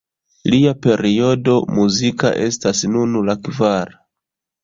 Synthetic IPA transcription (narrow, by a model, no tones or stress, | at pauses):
liape̞ɾio̞do̞muzika̰ʔe̞stasnunulakvaɾa